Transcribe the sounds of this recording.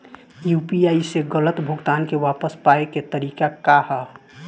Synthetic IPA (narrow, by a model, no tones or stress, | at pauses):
jupiaiseɡələt̪bʱuɡt̪ankewapəspaeket̪əɾikakahə